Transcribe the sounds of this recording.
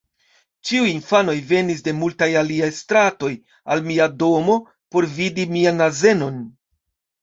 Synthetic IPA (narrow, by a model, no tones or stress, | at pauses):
t͡ʃiujinfano̞jve̞nis̬de̞multajaliajstɾato̞j | almiado̞mo̞ | po̞ɾvidimianaze̞no̞n